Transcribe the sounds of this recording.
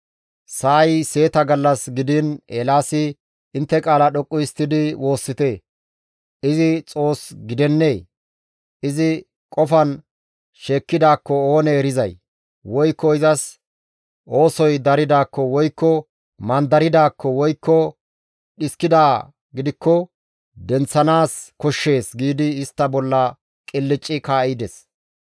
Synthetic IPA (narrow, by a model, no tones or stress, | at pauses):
saːjse̞ːt̪ɐɡɐlːɐsɡɪd̪ɪneːlaːsɪ | ɪnt̪ːɛkʼaːlɐɗɔkʼːʊjɪst̪ːɪd̪ɪwo̞ːsːɪt̪eː | ɪzɪt͡sʼo̞ːsɡɪd̪ɛnːe̞ː | ʔɪzɪ | kʼɔfɐn | ʃe̞ːkːɪd̪aːkːɔo̞ːnɛːɾɪzɐj | wɔjkːɔɪzɐs | o̞ːsɔjd̪ɐɾɪd̪aːkːɔwɔjkːɔ | mɐnd̪ɐɾɪd̪aːkːɔwɔjkːɔ | ɗɪskɪd̪aː | ɡɪd̪ɪkːɔ | d̪ɛnt͡sːɐnaːskɔʃːe̞ːsɡiːd̪ɪːst̪ːɐbɔlːɐ | kʼɪlːɪt͡ʃʼːɪkaːɪd̪ɛs